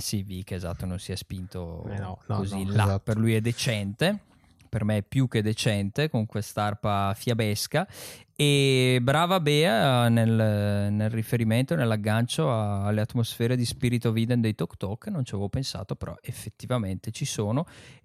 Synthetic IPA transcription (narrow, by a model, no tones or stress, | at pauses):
sivikeːzat̪ːononsiɛspint̪o̰kozilapeɾlujɛd̪ːet͡ʃɛnt̪e | permepjuk̟ːed̪et͡ʃɛnt̪ekoŋkwest̪aarpafjabɛskaebɾaːvabɛːanelnelrifeɾiment̪onelːaɡːant͡ʃoalːeat̪ːmosfɛːɾed̪ispiɾit̪ovid̪end̪ejt̪ɔkːt̪ɔkːnont͡ʃavevopensa̰ːt̪opeɾɔ̰ʔefːet̪ːivament̪et͡ʃisoːno